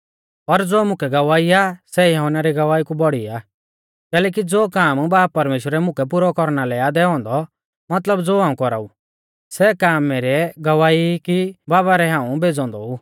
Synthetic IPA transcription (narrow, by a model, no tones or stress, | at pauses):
pɐɾd͡zoːmʊ̃kʰɛɡɐʋaːiasɛjaɦʊnaɾiɡɐʋaːikubɔɽ̤ia | kɛːlɛːk̬id͡zoːkaːmbaːpɐɾmeːʃwəɾɛmʊ̃kʰɛp̬uɾɔkɔɾnalɛaːd̪ɛɦɔ̃ːnd̪ɔ | mɐt̪ləbd͡zoːɦãːũkɔɾa̰ːu | sɛkaːmːɛɾɛɡɐʋaːikibaːβaɾɛɦãːũbʱeːd͡zɔ̃ːnd̪ɔ̰u